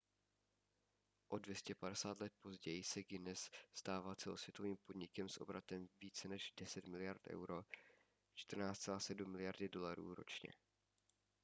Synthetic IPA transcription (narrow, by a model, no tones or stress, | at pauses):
ʔo̞dvjɛscɛpadɛsaːt̪lɛt̪̚po̞zɟɛjɪsɛɡɪnɛsst̪aːvaːt͡sɛlo̞svjɛt̪o̞viːmpo̞dɲɪkɛmsʔo̞̰bɾat̪ɛmviːt͡sɛnɛʒdɛsɛt̪mɪlɪjaɾt̪ʔɛ̰wɾo̞ | t͡ʃt̪r̩naːt͡st̪t͡sɛlaːsɛdumːɪlɪjaɾdɪdo̞laɾṵːɾo̞̰t͡ʃɲɛ̰